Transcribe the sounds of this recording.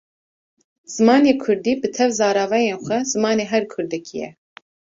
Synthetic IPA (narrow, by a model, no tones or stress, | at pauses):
z̥ɨmɑːneːkʰʊɾd̪iːbɨt̪ʰɛvzɑːɾɑːvɛjeːnxʷɛzɨmɑːneːɦɛɾkʰʊɾd̪ɨkʰijɛ̰